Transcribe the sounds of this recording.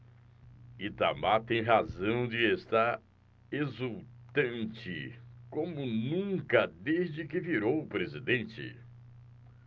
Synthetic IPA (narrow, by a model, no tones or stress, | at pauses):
it̪amat̪ẽj̃ɦazɐ̃w̃d͡ʒɪest̪a | ezuwt̪ɐ̃nt͡ʃɪkõmʊnũkɐd̪ezd͡ʒɪkɪviɾowʊpɾezid̪ẽnt͡ʃɪ̰